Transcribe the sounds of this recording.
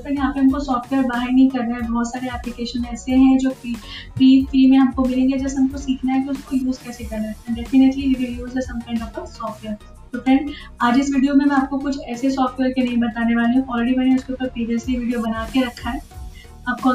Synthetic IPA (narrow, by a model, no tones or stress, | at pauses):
t̪ɐkjɐɦãpeɾɦɐmkosɔːfʈʋeəɾbaːɦəɾnɐɦĩkɐɾnaɦɛ̃bɐɦɔt̪saːɾeɛːplɪkeːʃənɛːseɦɛ̃d͡ʒoːpipiːfɾiːmẽɦɐmkomɪlẽːŋɡed͡ʒɛsɦɐmkosiːkʰnaɦɛkiʊskojuːzkɛːsekɐɾnaɦɛɛ̃ɳɖɛfɪnəʈlibɪijozɛsɐ̃mkãɪ̃ɳɖɔːpkɐɾsɔːfʈʋeəɾ | t̪ofɾɛ̃ːɳɖ | aːd͡ʒɪsʋiːɖijomẽmɛ̃aːp̚kokʊt͡ʃʰɛːsesɔːfʈʋeːɾkenɐɦĩbɐt̪aːneʋaːleɦũʔɔːlɾeɖimɛːneʊskeuːpəɾpɾiːʋiəsliʋiːɖijobɐnaːkeɾɐkʰːaɦɛː | aːp̚ko